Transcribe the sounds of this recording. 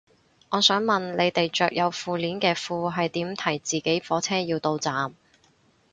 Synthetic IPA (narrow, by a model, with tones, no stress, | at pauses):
ŋɔː˨˧sœː˨˥ŋmɐ˨˩nle˨˧jt̪e˨jt͡ʃœː˨k̚jɐ˨˧wfuː˨˧liː˨˥nkɛː˧fuː˨˧ɦɐ˨jt̪iː˨˥mt̪ʰɐ˨˩jt͡siː˨ke˨˥jfɔː˨˥t͡sʰɛː˥jiː˧wt̪o˧wt͡saː˨m